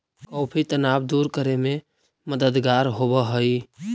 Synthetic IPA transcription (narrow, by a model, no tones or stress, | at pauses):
kɔʊpʰit̪ənabd̪uːɾkəɾeme | məd̪əd̪ɡaːɾɦobəɦəi